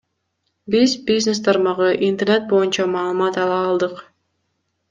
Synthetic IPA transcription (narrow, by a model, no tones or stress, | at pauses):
bizbʲiznest̪ʰɑɾmɑʁɯʔint̪ene̞t̪̚bo̞junt͡ʃɑmɑːlˠɯmɑt̪ɑlˠɑːlˠd̪ɯq